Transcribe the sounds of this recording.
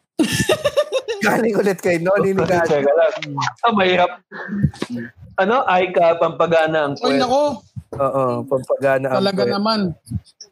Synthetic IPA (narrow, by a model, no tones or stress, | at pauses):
ɡaːlɪŋʊlɛt̪̚kɐjnoninɪɡsɛɡɐlɐɡ̪omɐhiːɾɐp̚ | ʔɐno̞ʔajkɐpɐmpɐɡaːnɐʔɐŋɛɐkoʔoːʔopɐmpɐɡaːnɐʔɐɐlɐɡanɐman